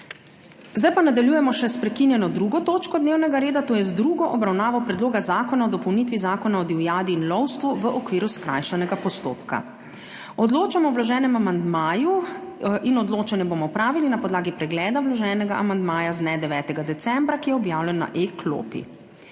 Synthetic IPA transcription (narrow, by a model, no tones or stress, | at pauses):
zd̪ajpanad̪aljuːjɛmɔʃɛspɾɛkinjɛnɔd̪ɾuɡɔt̪oːt͡ʃkɔd̪neːwnɛɡaɾeːd̪at̪oːjɛzd̪ɾuːɡɔʔɔbɾawnaːʋɔpɾɛd̪loːɡazaːkɔnaɔd̪ɔpɔwniːt̪ʋizaːkɔnaɔd̪iwjaːd̪iːnlɔwst̪ʋuʋəʔɔkʋiːɾuskɾa̰ːjʃanɛɡapɔst̪o̰ːpka̰ | ɔd̪loːt͡ʃamɔwlaʒɛːnɛmamand̪maːju | inɔd̪loːt͡ʃanjɛbomɔpɾaːʋilinapɔd̪laːɡipɾɛɡlɛːd̪awlaʒɛːnɛɡa̰ʔamand̪maːjazd̪nɛd̪ɛʋɛːt̪ɛɡad̪ɛt̪sɛmbɾakijɛɔbjaːwlʲɛnːa̰ʔekʰlo̰ːpḭ